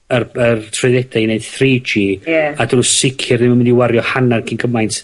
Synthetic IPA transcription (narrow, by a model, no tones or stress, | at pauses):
ərərtʰrɨðɛdaned̥θriːd͡ʒiːadɾusɪkʰɪrnɪmamɪndiwaɾjɔhanarkʰinɡəmajnt